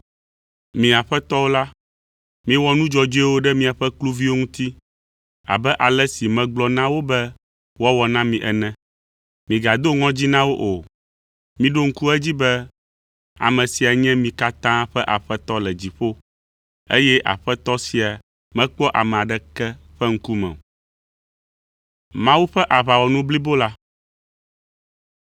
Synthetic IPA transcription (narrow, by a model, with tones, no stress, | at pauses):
mĩ˨a˨ɸɛ˦t̪ɔ˦wo˦la˦ | mĩ˦wɔ˦nũ˦d͡ʒɔ˨d͡ʒo˦ɛ˦wo˦ɖɛ˦mĩ˦a˨ɸɛ˦klu˦vi˦wo˦ŋũ˦t̪i˦ | a̰˨bɛ˦ʔa˨lɛ˦si˨mɛ̃˨ɡ͡blɔ˦nã˦wo˦bɛ˦ | wɔ˦wɔ˨nã˦mĩ˨ʔɛ˨nɛ̃˨ | mĩ˨ɡa˨d̪o˦ŋɔ̃˦d͡ʑi˦nã˦wo˦ʔo˨ | mĩ˨ɖo˦ŋ̩˦ku˦ɛ˦d͡ʑi˦bɛ˦ | a̰˨mɛ̃˨si˨a˨ɲɛ̃˦mĩ˨ka˦t̪ã˦ɸɛ˦ʔa˨ɸɛ˦t̪ɔ˦lɛ˨d͡ʑi˨ɸo˦ | ḛ˦jɛ˦ʔa̰˨ɸɛ˦t̪ɔ˦si˨a˨ | mɛ̃˦k͡pɔ˦ʔa˨mɛ̃˨a˨ɖɛ˦kɛ˦ɸɛ˦ŋ̩˦ku˦mɛ̰̃˨ | mã˦wu˦ɸɛ˦ʔa˨βa˨wɔ˨nũ˦bli˦bo˦la˦